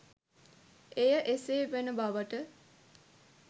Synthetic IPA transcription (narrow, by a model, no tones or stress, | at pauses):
ejəʔeseːʋenəbaʋəʈə